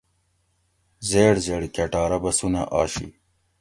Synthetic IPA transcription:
zeːɽzeːɽikɐʈaːɾɐbɐsunɐʔa̰ːɕḭ

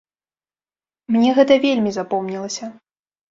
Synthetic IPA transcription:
mnʲɛɣɛt̪ɐvʲelʲmʲizapɔmnʲilˠɐsʲɐ

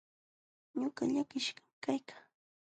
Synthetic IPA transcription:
ɲʊɢɑʎakɪʃɢɑmkajkḁː

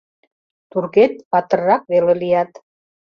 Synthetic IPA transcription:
t̪urɣet̪̚pɑt̪ə̆rːɑk̚βelelijɑt̪

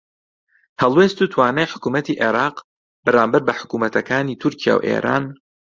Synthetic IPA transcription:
hɛlˠwest̪uːt̪ʰwaːnajħʊ̥kuːmɐt̪iːʔeɾaːq | bɨɾaːmbɨɾbɐħʊ̥kuːmɐt̪ʰɐkaːniːt̪ʰʊɾcʰija̰ːwʔḛːɾʔa̰ːn

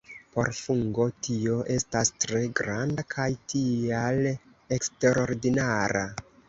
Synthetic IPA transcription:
po̞̰ɾfuŋɡo̞tio̞ʔe̞stastɾe̞ɡɾandakʰajtial | e̞kste̞ɾo̞ɾdinaɾa

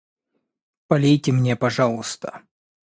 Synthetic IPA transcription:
pɐlʲejtʲɪmnʲepɐʐɑlˠɨst̪ə

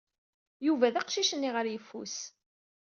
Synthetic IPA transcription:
juvæðæqʃiʃənːiʁəɾjəfːṵs

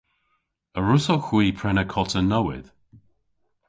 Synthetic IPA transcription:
əɹʊsoxwiːpʰɹɛnəkʰɔtʰənɔwɪ̰ð̥

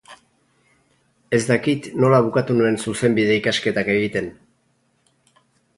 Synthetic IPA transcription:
e̞zd̪akit̪no̞laβ̞ukat̪unue̞nsuse̞mbið̞e̞ikaske̞t̪ake̞ɣit̪e̞n

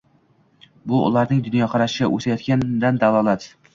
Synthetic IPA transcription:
bʊʊ̰lˠaɾnɪŋd̪ʊnjɒqʰɑɾaʃɪɡʲa̰ʔɵ̰sajɒt̪̚kʲʰand̪and̪alˠɒlˠat̪

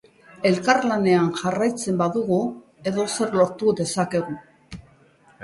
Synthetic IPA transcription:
e̞lkarlane̞anʝarajt͡se̞mbaðuɣu | e̞ðo̞se̞ɾlo̞ɾt̪ude̞sake̞ɣu

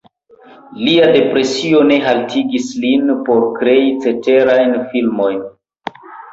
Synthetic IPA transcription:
liade̞pɾe̞sio̞ne̞ɦaltʰiɡislinpo̞ɾkɾe̞it͡se̞te̞ɾajnfilmo̞jn

